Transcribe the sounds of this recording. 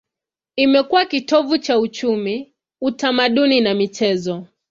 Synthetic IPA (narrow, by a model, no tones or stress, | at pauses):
imɛkuwakitɔvut͡ʃaut͡ʃumi | utamaɗuninamit͡ʃɛzɔ